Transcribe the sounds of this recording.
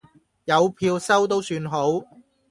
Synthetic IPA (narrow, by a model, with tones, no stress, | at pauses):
jɐ˨˧wpʰiː˧wsɐ˥wt̪o˥wsyː˧nɦo˨˥w